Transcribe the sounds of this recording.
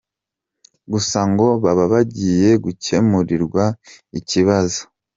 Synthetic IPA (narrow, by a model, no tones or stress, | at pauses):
ɡusaŋɡo̞βaβaβaɟiːje̞ɡuce̞muɾiɾɡwaiciβazo̥